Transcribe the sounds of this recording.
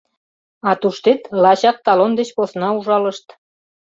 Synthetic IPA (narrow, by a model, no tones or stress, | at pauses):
ɑt̪uʃt̪et̪lɑɕɑk̚t̪ɑlond̪et͡ɕposnɑuʒɑləʃt̪